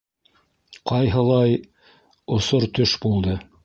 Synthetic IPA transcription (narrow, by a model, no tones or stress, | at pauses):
qɑjɦɤ̆lˠɑj | ŏsoɾt̪ɵʃbulˠd̪ɤ